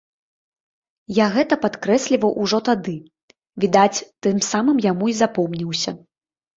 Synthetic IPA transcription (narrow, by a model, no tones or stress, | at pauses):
jaɣɛt̪ɐpat̪kɾɛsʲlʲivɐwʔuʐɔt̪ad̪ɨ | vʲid̪at͡sʲt̪ɨmsamɨmjamuizapɔmnʲiwsʲɐ̰